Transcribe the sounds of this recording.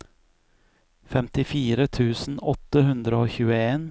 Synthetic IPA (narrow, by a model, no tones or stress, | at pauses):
fɛmt̪ɪfiːɾət̪ʰʉːsn̩ɔt̪ːəhʉnd̪ɾəoːçʉːəeːn